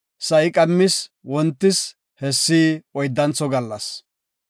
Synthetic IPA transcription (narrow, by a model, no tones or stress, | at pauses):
sɐʔɪkʼɐmːɪs | wɔnt̪ːɪs | hɛsːiːɔjd̪ːɐnt͡sɔɡɐlːɐs